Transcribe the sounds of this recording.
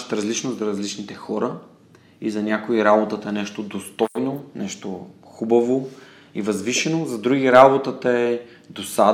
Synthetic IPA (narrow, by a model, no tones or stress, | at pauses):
t̪ɾɐzlit͡ʃnozɐɾɐzlit͡ʃnit̪ɛxɔɾə | izɐnʲakoiɾabot̪ət̪ɐɛnɛʃt̪od̪ost̪ɔjnonɛʃt̪oxubɐvo | ivɐzviʃɛnozɐd̪ɾuɡiɾabot̪ət̪əɛ | d̪osa